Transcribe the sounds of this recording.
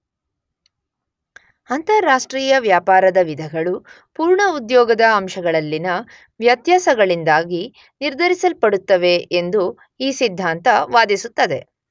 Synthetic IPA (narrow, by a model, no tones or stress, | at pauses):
ɐnt̪ɐɾɾaːʂʈɾiːjɐʋjaːpaːɾɐd̪ɐʋid̪ʱɐɡɐɭu | puːɾɳɐud̪jɔːɡɐd̪ɐːmʃɐɡɐɭɐlːinɐ | ʋjɐt̪jaːsɐɡɐɭind̪aːɡi | niɾd̪ʱɐɾisɐlpɐɽut̪ːɐʋe̞end̪u | iːsid̪ʱːaːnt̪ɐʋaːd̪isut̪ːɐd̪e̞